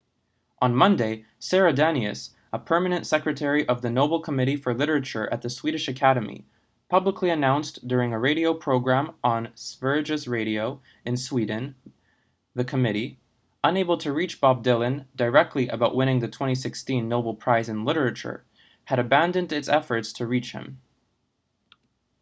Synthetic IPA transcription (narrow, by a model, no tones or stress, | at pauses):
ʔə̃nmʌ̃ndeɪsɛɹɨdænɨ̰s | əpʰɜ˞mɨnɨ̃ntsɛkɹɨtʰɛɹiʔʌvðɨnoʊbl̩ˠkʰəmɪɾifə˞lɪɾə˞ɨt͡ʃə̰˞ʔɨ̰t̪̚ðɨswiɾɨʃɨkʰæɾɨmḭ | pʰʌbləkʰliɨnãʊ̃nsd̥ʊɹɪ̃ŋɨɹeɪɾioʊpʰɹ̥oʊɡɹæ̃mə̃nsvɜ˞d͡ʒɨsɹeɪɾioʊ | ɨ̃nswidⁿn̩ | ðɨkʰəmɪɾi | ʔə̃neɪbl̩ˠtʰɨɹit͡ʃb̥ɑb̚dɪlˠɨ̃ndə˞ɛk̚tʰˡliʔɨ̰baʊʔ̚wɪ̃ɾ̃ɪ̃ŋðɨtʰw̥ɛ̃ɾ̃is̬ɪkstĩnːoʊbl̩ˠpʰɹ̥aɪzɨ̃nlɪɾə˞ɨt͡ʃə̰˞ | ɨɾɨbæ̃ndɨ̃ndɨtsɛfə˞tstʰɨɹit͡ʃhɨ̰̃m